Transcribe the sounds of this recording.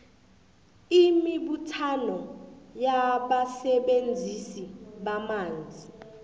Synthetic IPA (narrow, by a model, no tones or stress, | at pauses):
imiɓutʰanɔjaɓasɛɓend͡zʱisiɓamaːnd͡zʱi